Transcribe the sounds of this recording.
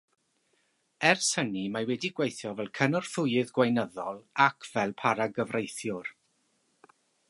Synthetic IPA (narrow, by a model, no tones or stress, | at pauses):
ɛrsənimawɛdiɡwejθjɔvɛlˠkʰənɔr̥θʊjɨðɡwajnəðɔlˠakʰv̥ɛlˠpʰaɾaɡəvrʔejθjʊr